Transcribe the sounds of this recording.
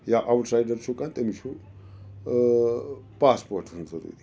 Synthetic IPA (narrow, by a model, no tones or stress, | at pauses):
jaːʔawʈʰsajɖɐɾt͡ʃʰukant̪ɐmit͡ʃʰu | paːspoːɾʈʰunzɐɾṵːɾi